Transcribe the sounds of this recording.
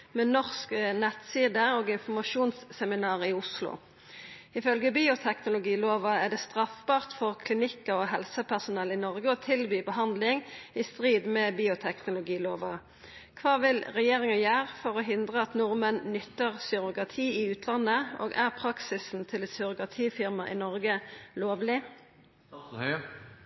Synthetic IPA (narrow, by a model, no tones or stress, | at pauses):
mɛnɔʁsknɛt̪siːd̪əoːɡɪnfɔmɑʃuːnsːɛmɪnɑːʁɪʊslʊ̰ | ɪfœlɡəbiːʊt̪ʰɛknʊlʊɡiːloːʋɑæʁd̪ɛːst̪ʁɑfbɑːʁt̪fɔʁkʰlɪnɪkːəoɦɛlsəpʰæʁsʊnɛlɪnɔʁɡəoːt̪ʰɪlbyːbəɦɑnd̪lɪŋɪst̪ʁiːd̪mɛbiːʊt̪ʰɛknʊlʊɡiːloːʋɑ | kʰʋɑːʋɪlʁɛjeːʁɪŋəjøːʁfɔʁoɦɪnd̪ʁəɑt̪nʊʁmənnʏt̪ːəʁsʏʁʊkʁɑt̪ʰiːɪʉːt̪ʰlɑnːəʔo̰ːɡæʁpʰɾɑksɪsn̩t̪ʰɪlɛsʏʁʊkʁɑt̪ʰiːfɪʁmɑʔɪ̰nɔʁɡəloːʋlɪ